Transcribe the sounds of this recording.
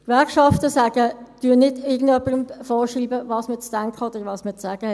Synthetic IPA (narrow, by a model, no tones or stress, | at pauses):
kʋæɐkʃɑftəsæːɡ̥ətyənnɪdɪɡən̩dœpːəɾəmfɔːʃriːbəvɑːsmɪːt͡sd̥æŋkʰəod̥əɾʋɑːsmɪːt͡ssæːɡ̥əɛ